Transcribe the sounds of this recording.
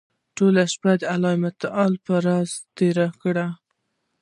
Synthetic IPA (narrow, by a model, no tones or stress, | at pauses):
ʈolaʃpad̪əalɑɪmat̪ɑlpəɾɑzt̪eɾakɽa